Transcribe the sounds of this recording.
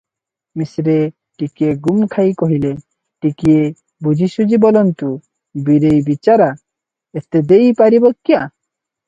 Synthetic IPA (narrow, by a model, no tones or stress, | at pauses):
misɾe | ʈikieɡumkʰajkɔɦile | ʈikie | bud͡ʒʱisud͡ʒibɔlɔnt̪u | biɾejbit͡ʃaɾa | et̪ed̪ejpaɾibɔkːja